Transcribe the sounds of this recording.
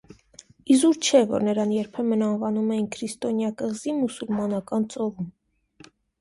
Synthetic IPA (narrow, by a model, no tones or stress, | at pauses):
izuɾt͡ʃʰɛvɔ̰ɾnəɾɑnjɛɾpʰɛmənɑnvɑnumɛjinkʰɾist̪ɔnjɑkəʁzimusulmɑnɑkɑnt͡sɔvum